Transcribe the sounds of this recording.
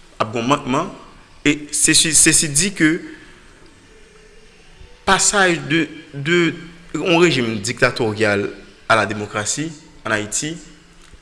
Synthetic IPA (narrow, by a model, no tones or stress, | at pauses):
ap̚ɡɔ̃mãt̚mɑ̃ | esesisesid͡zikø | pasaʒd̪əd̪øɔ̃ʁeʒimd͡zik̚t̪at̪oʁjal | alad̪emokʁasiɑ̃naiti